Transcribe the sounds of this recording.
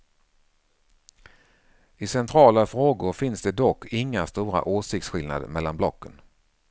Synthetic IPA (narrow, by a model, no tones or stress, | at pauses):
ɪsɛnt̪ʰɾɑːlafɾoːɡʊɾfɪnsd̪ɛd̪ɔkʰːɪŋːast̪uːɾa̰ʔoːsɪk̚t̪sɧɪlna̰d̪mɛlːanblɔkːən